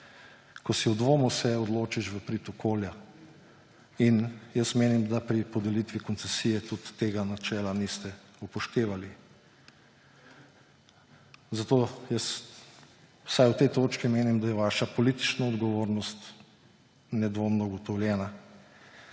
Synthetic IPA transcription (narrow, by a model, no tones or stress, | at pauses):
kɔsiud̪ʋoːmusɛɔd̪loːt͡ʃiʃʋəpɾit̪ɔkʰoːlja | injəsmeːnimd̪apɾipɔd̪ɛlit̪ʋikɔnt̪sɛsiːjɛt̪ut̪ːeːɡanat͡ʃɛːlanist̪ɛ | upɔʃt̪eːʋali | zat̪oːjəs | w̥sajwt̪ɛjt̪oːt͡ʃkimeːnimd̪ajɛʋaːʃapɔlit̪i̥t͡ʃnaɔd̪ɡɔʋoːɾnɔst̪ | nɛd̪ʋoːmnɔɡɔt̪ɔwlʲjɛːna